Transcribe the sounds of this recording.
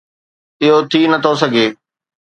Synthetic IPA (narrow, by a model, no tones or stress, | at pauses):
ɪɦot̪ʰinɐt̪ʰosɐɡʱeː